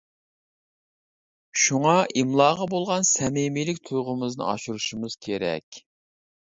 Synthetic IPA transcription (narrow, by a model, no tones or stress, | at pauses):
ʃuŋɑʔimlˠɑːʁɑbolˠʁɑnsɛmemilɪkʲt̪ʰujʁəmɨznɨ̰ɑ̰ʃuɾuʃumɨz̥kʲʰeɾɛ̰kʲ